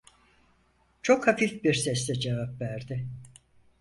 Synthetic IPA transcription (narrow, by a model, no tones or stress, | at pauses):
t͡ʃʰokhafifbiɾsɛst̪ɛd͡ʒevapvæɾd̪ɪ